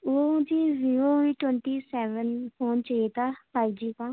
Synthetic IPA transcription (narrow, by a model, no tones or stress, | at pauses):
oːd͡ʒiːziːɾoiːʈwɛ̃ɳʈiːsɛːʋənfʰoːnt͡ʃəeːt̪apaːid͡ʒiːkãː